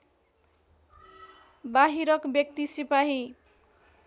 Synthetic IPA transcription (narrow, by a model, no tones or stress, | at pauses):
baɦiɾʌkbjʌk̚t̪isipaɦi